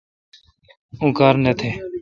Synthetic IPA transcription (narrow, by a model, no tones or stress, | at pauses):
ũːkaːɾnət̪ʰeː